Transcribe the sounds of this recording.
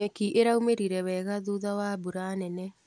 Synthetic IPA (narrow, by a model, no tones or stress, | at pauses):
ɛkiʔeɾaumeɾiɾɛwɛɣaðuðawabuɾaːnɛnɛ